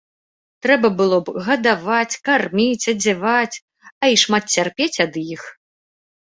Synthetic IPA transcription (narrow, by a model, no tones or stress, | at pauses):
t̪ɾɛbɐbɨlˠɔbɣɐd̪avat͡sʲkarmʲit͡sʲɐd͡zʲɛvat͡sʲ | ɐiʂmat̪̚t͡sʲarpʲet͡sʲɐd̪jix